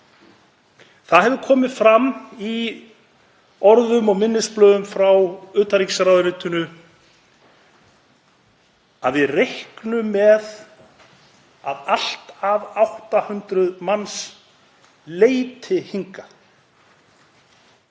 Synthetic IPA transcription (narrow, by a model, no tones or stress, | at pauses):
θaðɦɛvðʏkʰɔːmɪðfɾami | ɔɾðʏmɔɣmɪnːɪsplœːðʏmfɾawʏːt̪aɾiksɾawðɾɪːt̪ʏnʏ | aðvɪðrehknʏmɛð | aðal̥t̪avawht̪ahʏnt̪ɾʏðmans | leːjt̪ʰɪhiŋka